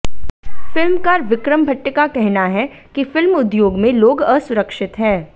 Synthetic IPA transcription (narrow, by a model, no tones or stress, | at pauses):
fɪlmkaːɾʋɪkɾəmbʱəʈːəkakɛɦnaɦɛkifɪlmʊd̪joːɡmẽloːɡəsʊɾəkʃɪt̪ɦɛ̃ː